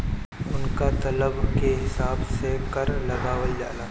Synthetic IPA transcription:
ʊnkat̪ɐləbkeɦɪsaːbsekɐɾlɐɡaːʋəld͡ʒa̰ːlaː

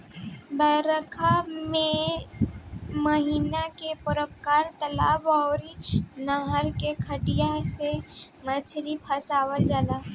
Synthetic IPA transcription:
bəɾəkʰamẽ | məɦiːnakepʊɾəpkaːɾt̪əla̰ːbɔːɾnaɦəɾkekʰəʈijase | mət͡ʃʰɾipʰəsaːwəld͡ʒaːla

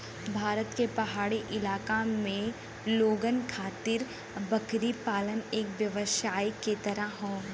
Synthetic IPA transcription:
bʱaːɾət̪kepɐɦaːɽiʔɪlaːkamẽ | loːɡənkʰaːt̪ɪɾ | bɐkɾipaːləneːkʋjəʋəʃaːiket̪ɐɾəɦõː

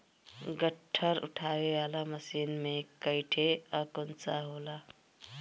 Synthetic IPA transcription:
ɡəʈʰːəɾʊ̰ʈʰaɡeaːlaməsiːnmẽkəɪʈʰeəkont͡saɦoːla

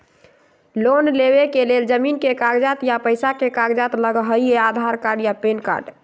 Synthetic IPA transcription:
lonleβekeleld͡ʒəminkekaɡd͡ʒat̪japəjsakekaɡd͡ʒat̪ləɡɦəjead̪ʱaɾkaɾɖjapenka̰ɾɖ

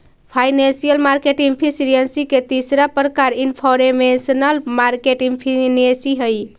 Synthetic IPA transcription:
pʰajnensijəlmaɾkeʈiŋpʰisiɾijənsiket̪isɾapɾəkaɾinpʰɔɾemesənəlmaɾkeʈiŋpʰinesiɦəj

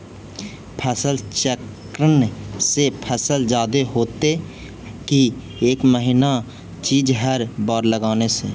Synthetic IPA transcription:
pʰɛːsəlt͡ʃɛk | ɾənsepʰɛːsəld͡ʒaːd̪eɦoːt̪e | ki | eːkməɦɪna | t͡ʃiːd͡ʒɦɛɾbɔːɾləɡaːneseː

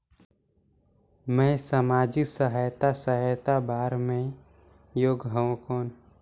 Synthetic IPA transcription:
mə̃səmaːd͡ʒiksəɦajt̪asəɦəjt̪abaːɾmẽ | joːɡɦəõkɔːn

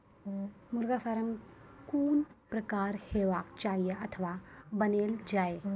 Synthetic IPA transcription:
mʊɾɡafʰɐɾəmkuːnpɾɐkaːɾheːʋaːkt͡ʃaːɦijeɐt̪ʰəʋabɐneːld͡ʒaːe

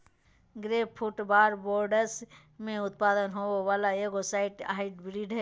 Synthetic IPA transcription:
ɡɾeːppʰʊʈbaːɾboːɾɖəɾs | mẽʊt̪paːd̪ənɦoːʋaːlaeːɡosaːɪʈa̰ːɪʈbɾiːɖɦɛː

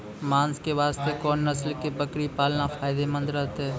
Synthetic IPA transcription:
mãːnskeʋaːst̪ekɔːnːəslkebəkɾipaːlnafʰaːɪd̪emə̃nd̪ɾəɦt̪ɦɛː

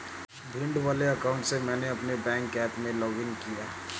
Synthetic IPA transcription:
bʱɪ̃ɳɖʋaːleɐkaʊ̃ɳʈsemɛ̃ːneɐpnebɛ̃ːŋkɛːpmẽlɔːɡɪnkijaː

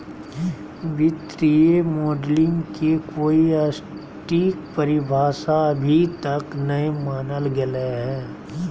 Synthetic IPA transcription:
ʋɪt̪ɾijemoːɖlɪ̃ŋkekoːiɐs | ʈiːkpəɾɪbʱaːʃaɐbʱit̪ɐknɐemaːnəlɡɪleɦɛ̃ː

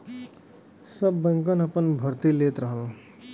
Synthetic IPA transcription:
sʌbːʌŋkʌnʌpʌnbʱʌɾt̪ilet̪ɾʌɦʌl

